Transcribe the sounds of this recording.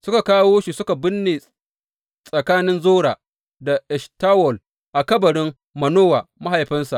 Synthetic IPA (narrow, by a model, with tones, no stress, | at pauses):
sʊ˦ka˨kaː˦woː˦ʃi˨sʊ˦ka˨bɪ˦nːeː˨ | sʼɐ˨kaː˦nɪ˦nzoː˦ɽaː˨ | da˨ʔɛ˨ʃtaː˦wɔ˨l | ʔa˨kɐ˦bɐ˨ɽɪ˦ŋ | mɐ˨noː˦wa˨ma˦ɦa˨jɸɪ˦nsa˨ʔ